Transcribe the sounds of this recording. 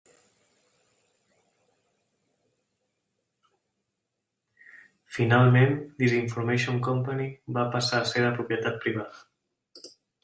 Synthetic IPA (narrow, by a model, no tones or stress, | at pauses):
finalˠmẽnd̪iziɱfuɾmeʃõŋkɔmpanibapasaaseβəpɾupjət̪at̪̚pɾiβ̞aðə